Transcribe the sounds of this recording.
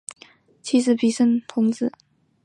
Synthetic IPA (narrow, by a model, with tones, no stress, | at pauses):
t͡ɕʰi˧˥ʂɻ̩˧˥pi˨˩ʂə˥˩ŋt̪ʰʊ˧˥ŋt͡sɹ̩˨˩˦